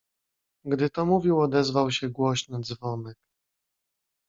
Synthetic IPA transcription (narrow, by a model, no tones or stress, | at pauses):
ɡd̪ɘt̪ɔmuvʲiwɔd̪ɛzvawɕɛɡwɔɕnɔd̪zvɔmɛk̚